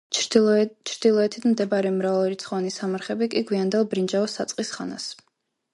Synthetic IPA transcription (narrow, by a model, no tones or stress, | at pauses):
t͡ʃʰɾd̪̥ilˠɔɛt̪ʰit̪ʰmd̪ɛbaɾɛmɾavalɾit̪sʰχɔanisamaɾχɛbikʼiɡwiand̪ɛlˠbɾind͡ʒaɔsat̪sʼqʼisχa̰na̰s